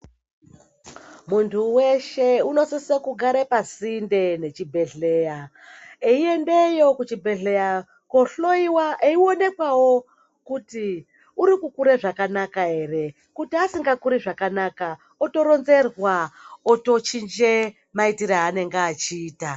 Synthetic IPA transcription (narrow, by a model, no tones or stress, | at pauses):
muntʰuwe̞ʃe̞uno̞sisekuɡʱaɾepasinde̞ne̞t͡ʃibʱe̞ɮe̞ja | eie̞nde̞jo̞kut͡ʃibʱeɮeja | koɬoiwaʔeio̞ne̞kwawo̞ | kuti | uɾikukuɾeʐakanakaɦe̞re̞ | kutiasiŋɡakuɾeʐakanaka | oto̞ɾo̞nze̞rwaoto̞t͡ʃind͡ʒe̞ | maitiɾaːne̞ŋɡaːt͡ʃiːta